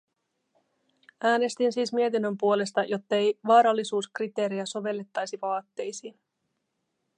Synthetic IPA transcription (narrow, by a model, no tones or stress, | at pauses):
æːne̞st̪insiːsmie̞t̪inːø̞mpuo̞le̞st̪ɑjo̞t̪ːɑejʋɑːɾɑlːisuːskrit̪e̞ːɾejæso̞ʋe̞lːe̞t̪ːɑjsiʋɑːt̪ːe̞jsiːn